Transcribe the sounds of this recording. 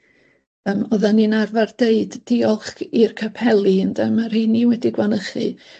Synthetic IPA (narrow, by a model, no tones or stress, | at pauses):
əːmɔðaninarvard̥eɨdːiɔlˠχkirkʰapʰɛlˠiəndɛmarhiniwɛdiɡwanəχɨ